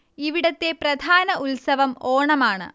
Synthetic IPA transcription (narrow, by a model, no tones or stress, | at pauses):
iʋiɽɐt̪ːe̞prɐd̪ʱaːnɐʔulsɐʋɐmoːɳɐmaːɳɨ̰